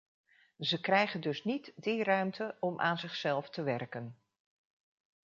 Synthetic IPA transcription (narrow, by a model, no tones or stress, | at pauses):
zəkrɛjχəndɵsnitdirœɥmtəɔmʔa̰ːnzɪχsɛlˠftəʋɛrkən